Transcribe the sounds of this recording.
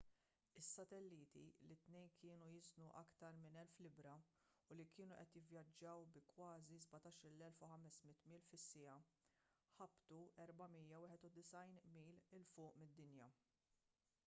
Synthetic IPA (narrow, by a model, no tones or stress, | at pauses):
ɪsːɐt̪ɛlːiːt̪ḭlɪt̪nɛjnkɪːnujɪznuʔɐkt̪ɐɾmɪnɛlflɪbɾɐ | ʊlikɪːnuʔɛt̪jɪvjɐd͡ʒːɐwbɪkwɐːzizbɐt̪ɐːʃɾɪlːɛlfuħɐmɛsmɪt̪ːmiːlfɪsːɪjɐ | ħɐbt̪uʔɛɾbɐmijɐwɪːħɛt̪ud̪ɪsɐjnmiːlɪlfʊːʔmɪd̪ːɪnjɐ